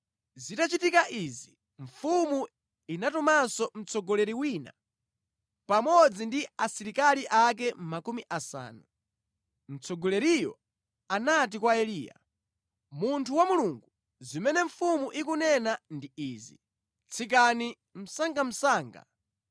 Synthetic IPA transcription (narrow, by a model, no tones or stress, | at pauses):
zitat͡ʃitikaʔizi | ɱfumu | inatɔmasɔm̩t͡sɔɡɔlɛɾiwina̰ | pamɔd͡zindiasiɾikaliʔak̬ɛm̩makumiʔasa̰ːnu | m̩t͡sʰɔɡɔlɛɾijɔ̰ | anat̬ikwaɛliːja̰ | muntʰuwamuluŋɡu | zimɛnɛɱfumuʔik̬unɛnandiiːzḭ | t͡sʰik̬ani | m̩saŋɡam̩saːŋɡa̰